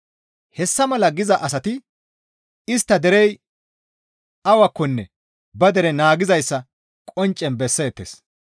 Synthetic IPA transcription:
hɛsːɐmɐlɐɡɪzɐʔɐsɐt̪ɪ | ɪst̪ːɐd̪ɛɾɛj | ɐwɐkːɔnːɛ | bɐd̪ɛɾɛnaːɡɪzɐjsːɐ | kʼɔnt͡ʃʼːɛnbɛsːe̞ːt̪ːḛːs

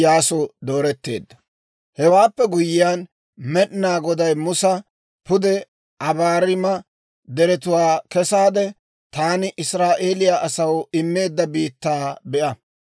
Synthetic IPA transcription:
jaːsɔd̪o̞ːɾɛt̪ːe̞̰ːd̪ːɐ | hɛwaːpːɛɡʊjɪjaːn | mɛɗɪnaːɡɔd̪ɐjmʊsɐ | pʊd̪ɛ | ʔɐbaːɾɪmɐ | d̪ɛɾɛt̪ʊwaːkɛsaːd̪ɛ | t̪aːnɪʔɪsɾaːʔe̞ːlɪjaʔɐsɐwɪmːe̞ːd̪ːɐbiːt̪ːaːbɛʔɐ

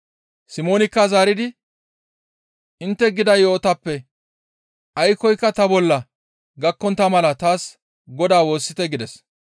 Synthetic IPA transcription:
sɪmo̞ːnɪkːazaːɾɪd̪ɪ | ʔɪnt̪ːɛɡɪd̪ɐjo̞ːt̪ɐpːɛ | ɐjkɔjkːɐt̪ɐbɔlːɐ | ɡɐkːɔnt̪ɐmɐlɐt̪aːs | ɡɔd̪aːwo̞ːsːɪt̪ɛɡɪd̪ɛs

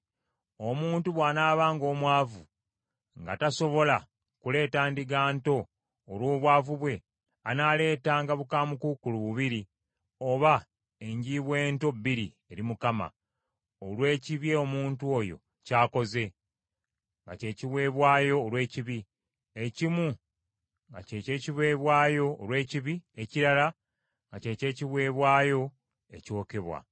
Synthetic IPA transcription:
o̞muːntuβwaːnaːβaːŋɡo̞ːmwaːvu | ŋɡa̰taso̞βo̞la | kule̞ːtaːndiɡaːnto̞ː | lwoːβwaːvuβwe̞ | anaːle̞ːtaːŋɡaβukaːmukukuluβuβiɾi | o̞βa | e̞ɲɟiβwe̞ːnto̞bːiɾi | e̞ɾimukama̰ | olwe̞ːciβje̞omuːntuo̞jo̞̰ | caːko̞ze̞ | ŋɡa̰ce̞ːciβwe̞ːβwaːjo̞ːlwe̞ːciβi | e̞cimu | ŋɡa̰ceːce̞ːciβwe̞ːβwaːjo̞ːlwe̞ːciβie̞ciɾala | ŋɡace̞ce̞ːciβwe̞ːβwaːjo̞ | e̞̰co̞ːke̞βwa̰

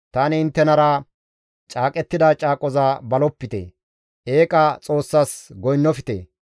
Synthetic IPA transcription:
t̪aːnɪɪnt̪ːɛnɐɾɐ | t͡ʃʼaːkʼɛt̪ːɪd̪at͡ʃʼaːkʼɔzaːbɐlɔpːɪt̪ḛ | ʔe̞ːkʼɐt͡sʼo̞ːsːaːsɡɔjnːɔfɪt̪ḛː

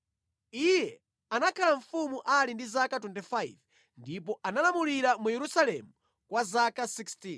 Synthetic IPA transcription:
ijɛ | anakʰalaɱ̩fumuʔalindizakatwɛntifaiv | ndipɔʔanalamuliɾamujɛɾusalɛmu | kwazakasikstin

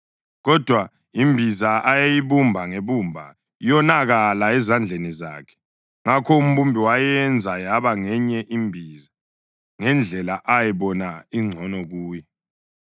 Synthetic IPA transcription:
ɣɔd̥ʱwa | imbʱizaajejiβumbʱaŋeβumbʱa̰ | jɔnaɣalaɛzand͡ɮʱeniza̰ːkʰɛ̥ | ŋakʰɔum̩βumbʱiwajɛnd͡zʱajaβaŋɛɲɛʔimbʱiːza | ŋɛnd͡ɮʱɛlaʔajɛβɔnaiŋ͡ǀʱɔnɔɣuːjɛ

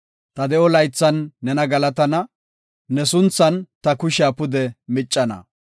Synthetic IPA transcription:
t̪ɐd̪ɛʔɔlɐjt͡sːɐnːɛnɐɡɐlɐt̪ɐnɐ | nɛsʊnt͡sːɐnt̪ɐkʊʃaːpʊd̪ɛmɪt͡ʃʼːɐnɐ̰

